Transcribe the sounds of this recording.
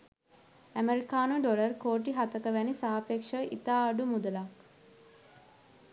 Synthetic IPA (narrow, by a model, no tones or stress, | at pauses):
æmeɾikaːnuɖolərkoːʈ̬iɦat̪əkəʋænisaɦapekʂəʔḭt̪aːɖumud̪əla